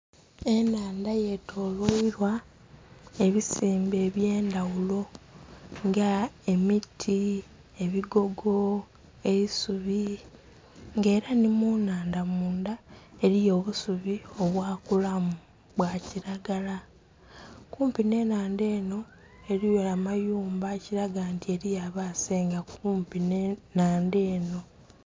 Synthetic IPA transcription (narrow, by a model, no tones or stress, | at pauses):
e̞naːndaje̞tʰo̞ːlwoiɾwa | e̞βisiːmbe̞ːβje̞ːndawulo̞ | ŋɡae̞mitʰi | e̞βiɡo̞ɡo̞ | e̞isuβi | ŋɡe̞ːɾanimunaːndamuːndae̞ɾijo̞ːβusuβio̞βwaːkulam | βwaciɾaɡala | kuːmpine̞ːnaːnde̞ːno̞ | e̞ɾijolamajuːmbaciɾaɡaantie̞ɾijaβaseːŋɡakuːmpinenaːnde̞ːno̞